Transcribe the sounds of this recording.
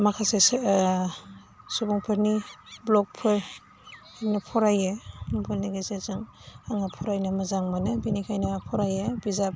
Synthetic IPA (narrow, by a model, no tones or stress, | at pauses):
makʰase | subɔŋpʰɯɾniblɔk̚pʰɯɾ | hanɐpʰɔɾajembʰɯlniɡesezaŋaŋapʰɔɾajnɐmɐzaŋmanɯbinikʰajnɐpʰɔɾajebizap̚